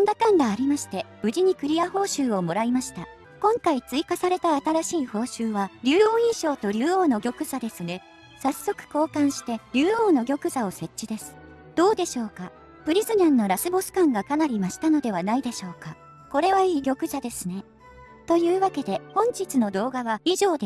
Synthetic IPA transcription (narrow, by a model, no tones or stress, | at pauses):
ond̪akãŋɡaːɾʲimaɕi̥t̪e̞b̥ɯ̟ʑiɲ̟ikɯ̟ɾʲijaho̞ːɕɨːo̞mo̞ɾaimaɕi̥t̪a | kõ̞ŋkait͡sɨikasaɾe̞t̪aːt̪aɾaɕiːho̞ːɕɨːβaɾʲɨːoːĩɰɕo̞ːt̪o̞ɾʲɨːo̞ːno̞ɡʲo̞kɯ̟zad̪e̞sɨne̞ | sasːo̞kɯ̟̥ko̞ːkãɰ̃ɕi̥t̪e̞ɾʲɨːo̞ːno̞ɡʲo̞kɯ̟zao̞se̞t͡ɕt͡ɕːid̪e̞sɨ̥ | d̪̥o̞ːd̪e̞ɕo̞ːka | pɯ̟ɾʲizɨnãnːo̞ɾasɨbosɨ̥kãŋɡakanaɾʲimaɕi̥t̪ano̞d̪e̞β̞anaid̪e̞ɕo̞ːka | ko̞ɾe̞βaiːɡʲo̞kɯ̟zad̪e̞sɨne̞ | t̪o̞jɯ̟ːβake̞d̪e̞hõ̞ɲ̟d͡ʑit͡sɨno̞d̪o̞ːɡaβaiʑo̞ːd̪e